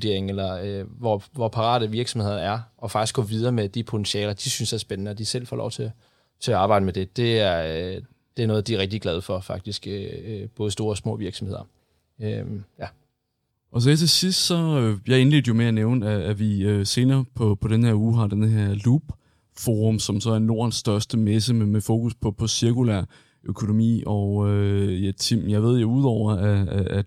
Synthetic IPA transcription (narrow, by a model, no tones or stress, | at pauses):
d̥e̝ɐ̰eŋelɐøʋɒʋɒpʰɑ̈ʁɑ̰̈ːd̥əʋiɐɡ̥sɒmhe̝ð̰ˠɐnæɐɒ̽fɑ̈ɡ̥isɡ̥ɔ̽ʋið̞ˠɐːmed̥ipʰo̝t͡sʰenɕiɛ̰ːlɐd̥isynsæɐsb̥enənəɒ̽d̥isel̰fɒ̽lɒʊt͡sʰe̝ | t͡sʰe̝ɑ̈ːb̥ɑ̈ɪd̥əmed̥e̝d̥e̝æɐ | d̥e̝æɐnɔ̽ːð̞̩ˠd̥iæɐʁɛɡ̥̚d̥iɡ̥lɛð̞ˠfɒ̽fɑ̈ɡ̥̚d̥isɡ̥øb̥ɔ̽ːð̞̩ˠsd̥o̝ːɐɒ̽smɔ̰̽ːʋiɐɡ̥sɒ̽mhe̝ð̰ˠɐ | øjæ | ʔɒ̽s̬ɒet͡sʰe̝sisd̥sɒ̽øjɑ̈ɪe̝nle̝̰ːd̥̩əjo̝meæneʊnəæːʋiøse̝ːnɐːpʰɒ̽pʰɒ̽ɾenhe̝ɐuːɦɑ̈d̥enəɦeɐ̰lub̥ | foːʁɔmsɒ̽msɒ̽æɐno̝ːɐ̰nsːd̥ɶɐsd̥əmes̬əmemefo̝ːkuspʰɒ̽pʰɒ̽siɐkulæ̰ɐ̰ | ʔøkʰo̝no̝mḭːɒʊøæt͡sʰimjɑ̈ɪʋe̝ð̞̰ˠjouð̰ˠɒʊ̰ɐæææ̥